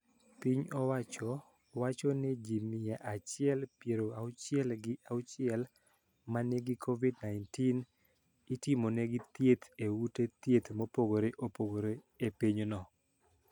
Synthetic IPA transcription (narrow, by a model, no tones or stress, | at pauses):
piɲɔwat͡ʃɔ | wat͡ʃɔnɛd͡ʒimɪjaʔat͡ʃɪɛlpjeɾoaʊt͡ʃɪɛlɡɪʔaʊt͡ʃɪɛl | maneɡikʰovidnaɪntin | itɪmonɛɡɪt̪jet̪ewutet̪jet̪mopoɡoɾeʔopoɡoɾe | epeɲonɔ